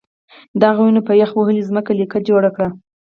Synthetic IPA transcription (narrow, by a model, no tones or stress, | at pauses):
d̪ɑɣawunopəjaxwəhəlizməkalikad͡ʒoɽakɽa